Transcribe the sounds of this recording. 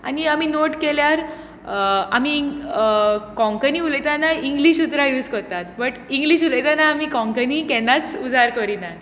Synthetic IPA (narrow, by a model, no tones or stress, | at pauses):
a̰niaminoʈkeljaɾ | a̰mi | kɔ̃ŋkəniːuləjt̪anaiŋɡliɕut̪ɾajuskɔɾt̪at̪bəʈiŋɡliɕuləjt̪anaːmikɔ̃ŋkənikɛnːat͡sud͡zaɾkəɾina